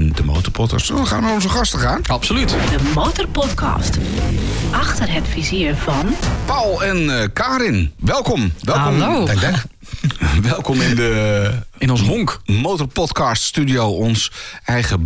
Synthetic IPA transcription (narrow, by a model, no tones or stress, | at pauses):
ndəmo̰wtɔrpʰɔt̚kɑ̰stoəχaːnarɔnzəχɑstəχaːnapsolytdəmowtərpɔtkʰɑ̰st | ʔɑxtərɦɛtfiziəfɔnpawlˠɛnkaːɾɪnʋɛlˠkɔmʋɛlˠkɔmo | ʋɛlˠkɔmɪnndə | ɪnɔnsɦɔŋkmowtəɹpɔtkɑststydijowɔnsɛjχə